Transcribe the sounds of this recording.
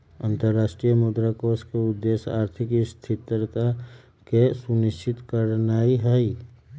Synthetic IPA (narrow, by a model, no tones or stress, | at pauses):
ə̃nt̪əɾːaːʃʈɾijəmud̪ɾakoːskeʊd̪ːeːsaːɾt̪ʰɪkst̪ʰɪt̪ɾət̪a | kesunɪʃt͡ʃɪt̪kəɾnaːiɦəi